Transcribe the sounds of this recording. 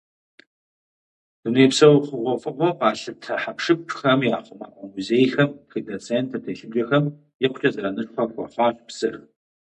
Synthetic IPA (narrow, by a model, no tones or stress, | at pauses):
d̥uneːpsɐwχʷʊʁʷɔfɨqʷɔqaːɬɨp̚tʰɐħapʂɨpʰxɐmjaːχʷʊma̰ːʔʷʼɔmuzeːjxɐmxidɐt͡sʰentʰɐtʰeːʃɪbd͡ʒɐxɐm | jɛqʷt͡ʃʼɐzɐɾanɨɕʼxʷɐxʷɔ̰χʷɑːɕpsɨr